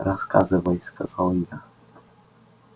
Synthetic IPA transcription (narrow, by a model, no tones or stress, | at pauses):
ɾɔskazɘvɔjskazɔwina